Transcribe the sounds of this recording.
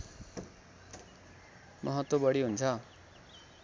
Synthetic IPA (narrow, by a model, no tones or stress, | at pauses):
mʌɦʌt̪wʌbʌɽiɦunt͡sʰʌ